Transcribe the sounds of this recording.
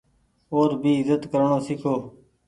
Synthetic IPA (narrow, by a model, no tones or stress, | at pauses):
oːɾbʱiːɪzət̪kəɾɳoːsɪkʰoː